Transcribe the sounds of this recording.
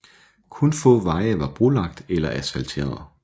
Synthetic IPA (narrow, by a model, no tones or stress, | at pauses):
kʰɔnfɔ̰̽ːʋɑ̈ɪəʋɑ̈b̥ʁulɑ̈ɡ̥̚d̥elɐʔæsælt͡sʰe̝̰ːɐð̩ˠ